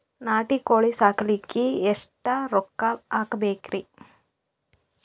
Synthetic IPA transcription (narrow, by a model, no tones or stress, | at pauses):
naːʈikoːɭisaːkɐlikːiesʈɐɾɔkːaaːkɐbeːkɾi